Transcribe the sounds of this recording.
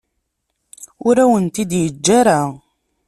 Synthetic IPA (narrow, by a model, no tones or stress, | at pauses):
ʊɾæwənt̪id̪jəd͡ʒːaɾa